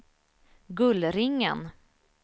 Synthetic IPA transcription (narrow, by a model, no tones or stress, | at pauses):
ɡɵlɾɪŋːə̰n